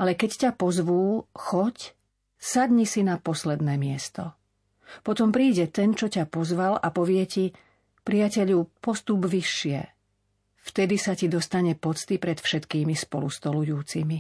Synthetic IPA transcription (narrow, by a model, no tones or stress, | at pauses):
ʔalɛkɛccapɔzʋuːxɔc | sad̪ɲisinapɔslɛd̪nɛːmɪɛst̪ɔ | pɔt̪ɔmpɾiːɟɛt̪ɛnt͡ʃɔcapɔzʋalapɔʋɪɛci | pɾiacɛʎupɔst̪ubʋiʃːɪɛ̰ | ft̪ɛd̪isacid̪ɔst̪aɲɛpɔt͡st̪ipɾɛt̪fʃɛt̪kiːmispɔlust̪ɔlujuːt͡simi